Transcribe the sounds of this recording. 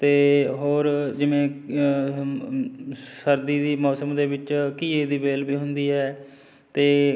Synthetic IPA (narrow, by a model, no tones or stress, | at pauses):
t̪eːɦoːɾd͡ʒɪʋẽː | səɾd̪iːd̪iːmɔːsəmd̪eːbɪt͡ʃkiːeːd̪iːbeːlbiːɦʊnd̪iːɛː | t̪eː